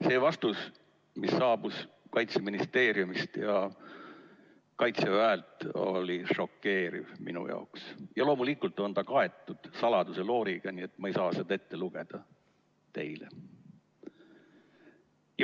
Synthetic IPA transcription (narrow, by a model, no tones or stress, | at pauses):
se̞ːvɑst̪us | misːɑːb̥us | kɑjt̪se̞minist̪e̞ːɾjumist̪jɑ | kɑjt̪se̞væelt̪o̞̰lʲiʂo̞kːe̞ːɾḭvmḭnṵjʔɑ̰oksjɑlo̞ːmulikːˑult̪ːˑo̞nt̪ɑkɑe̞t̪ˑːud̪̥sɑlɑd̪̥use̞lo̞ːɾiɡ̥ɑniːe̞t̪mɑejsɑːsed̪ɑe̞t̪ːe̞luɡ̥e̞d̪̥ɑ | t̪e̞jlḛ | j